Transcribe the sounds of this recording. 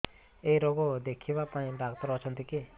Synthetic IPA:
ejɾɔɡɔd̪ekʰibapaĩɖak̚t̪ɔɾɔt͡ʃʰɔnt̪ike

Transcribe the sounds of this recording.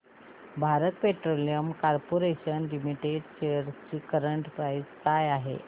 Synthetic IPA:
bʱaɾət̪̚peʈɾolijəmkaɾpoɾeɕənlimiʈeɖɕeəɾt͡ɕiːkəɾəɳʈpɾajd͡zkajaɦḛ

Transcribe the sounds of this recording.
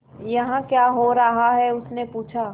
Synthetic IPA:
jɐɦãkjaːɦoɾɐɦaɦɛʊsnepuːt͡ʃʰaː

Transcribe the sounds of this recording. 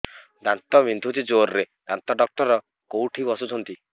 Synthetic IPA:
d̪ant̪ɔβind̪ʱut̪id͡ʒoɾɾe | d̪̥ant̪ɔɖɔk̚ʈɔɾɔ | kowʈʰibɔsut͡ʃʰɔnt̪i

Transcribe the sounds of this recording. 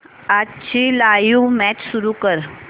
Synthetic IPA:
at͡ɕʰilajumɛt͡ɕsuɾukəɾ

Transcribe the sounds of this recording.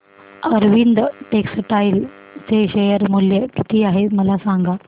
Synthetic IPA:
əɾʋind̪ʈeksʈail | t͡seɕejəɾmuljəkit̪ʰiːaɦeməlasaŋɡa

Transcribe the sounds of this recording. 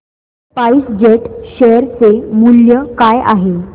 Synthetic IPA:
paisd͡ʑeʈɕejəɾt͡semuljəkaja̰ɦe

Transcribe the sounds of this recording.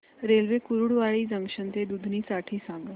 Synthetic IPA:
ɾelʋekuɾuɽʋaɭiːzəŋkʂənt̪ed̪ud̪ʱniːsaʈʰiːsãŋɡə

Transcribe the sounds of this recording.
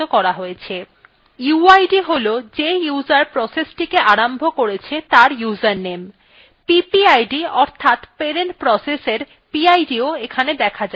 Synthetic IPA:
okɔɾaɦojet͡ɕʰe | juajɖiɦolod͡ʑejuzaɾpɾɔsesʈikeʔaɾambʱokoɾet͡ɕʰet̪aɾjud͡ʑaɾnem | pipiajɖiɔɾt̪ʰat̪peɾenʈpɾɔseseɾ | piajɖioekʰaned̪ɛkʰad͡ʑa

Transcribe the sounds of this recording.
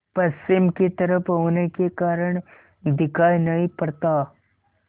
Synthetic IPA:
pɐst͡ʃːɪmket̪ɐɾəpʰɦoːnekekaːɾəɽ̃ | d̪ɪkʰaːjnɐɦĩpɐɽt̪a

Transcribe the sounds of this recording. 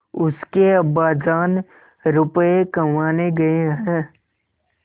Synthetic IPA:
ʊskeɐbaːd͡ʒaːn | ɾʊpekɐmaːneɡɐeɦɛ̃ː

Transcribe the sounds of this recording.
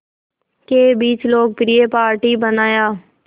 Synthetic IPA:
kebiːt͡ʃloːɡ̚pɾiepaːɾʈibənaːjaː

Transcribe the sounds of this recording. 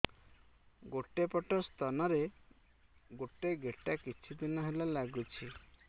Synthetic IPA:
ɡoʈepɔʈɔst̪ʰanɔɾe | ɡoʈeɡeʈakit͡ʃʰud̪inɔɦelalaɡut͡ʃʰi

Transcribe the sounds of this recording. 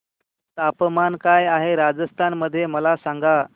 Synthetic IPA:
t̪apəmankajaɦeɾad͡zəst̪ʰanməd̪ʱːjeməlasaŋɡa

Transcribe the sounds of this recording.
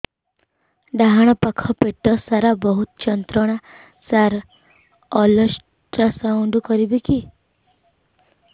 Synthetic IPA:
ɖaɦaɽ̃ɔpakʰɔpeʈɔsaɾabɔɦut̪t͡ʃɔnt̪ɾɔɽ̃a | saɾ | ɔlɔs | ʈɾasauɳɖkɔɾibiki

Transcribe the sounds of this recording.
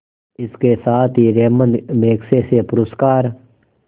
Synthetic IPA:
ɪskesaːt̪ʰiːɾeːmənd̪meːksesepʊɾʊskaːɾ

